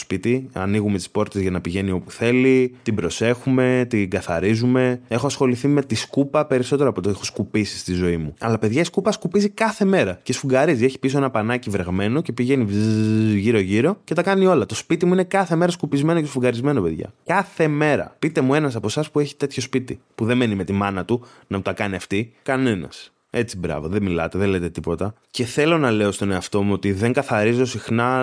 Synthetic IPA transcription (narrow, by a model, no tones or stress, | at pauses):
spit̪iɐ̰niɣume̞t̪i̥spo̞ɾt̪ezʝɐnɐpiʝe̞nio̞puθe̞lit̪ibɾo̞se̞xume̞t̪iŋɡɐθɐ̰ɾizume̞e̞xoɐsxo̞liθime̞t̪iskupɐpe̞ɾiso̞t̪eɾoɐpot̪oexo̞skupisi̥st̪izo̞imuɐ̰lɐpe̞ðʝɐiskupɐskupizikɐθe̞me̞ɾɐce̞sfuɡɐɾizieçi̥pisoenɐpɐnɐcivɾe̞ɣme̞no̞ce̞piʝe̞ni | ʝiɾo̞ʝiɾo̞ce̞t̪ɐkɐnio̞lɐt̪o̞spit̪imuine̞kɐθe̞me̞ɾɐskupizme̞nocesfuŋɡɐɾizme̞nope̞ðʝɐ̰kɐθe̞me̞ɾɐ̰pit̪e̞mue̞nɐs̬ɐpo̞sɐspue̞çi̥t̪e̞t̪ço̞spit̪ipuðe̞me̞nime̞t̪imɐnɐt̪u | nɐmut̪ɐkɐniɐft̪ikɐne̞nɐ̰s | e̞t͡sibɾɐ̰voðemilɐ̰t̪e̞ðelet̪et̪ipo̞t̪ɐce̞θe̞lo̞nɐle̞o̞st̪o̞ne̞ɐft̪o̞muo̞t̪iðe̞ŋɡɐθɐɾizo̞sixnɐ